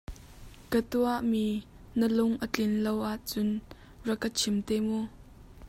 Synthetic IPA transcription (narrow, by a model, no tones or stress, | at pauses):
kət̪uɐʔmiː | nəlʊŋʔət͡ɬɪnlowʔaʔt͡sʊn | rəkət͡sʰɪmt̪ɛːmu